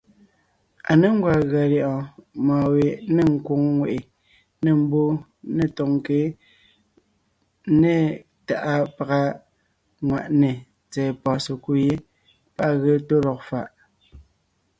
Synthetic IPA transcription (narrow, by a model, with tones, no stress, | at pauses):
a̰˨ne˦ŋ˦ɡwa˨ɣa˨ljɔ˨ʔɔ̃˨maː˨we˨ne˦ŋ̩˦ko˨˦ŋŋwe˨ʔe˨ | ne˦˨m̩˦bo˦ | ne˦˨tɔ˨ŋ˨ke˨˦ | ne˦˨ | ta˨ʔa˦pa˨ɣa˦ | ŋwa˨ʔne˨ | t͡sɛː˨pɔ˨se˨ku˦je˦ | pa˦ʔɣə˦to˦lɔ˨k̚fa˦˨ʔ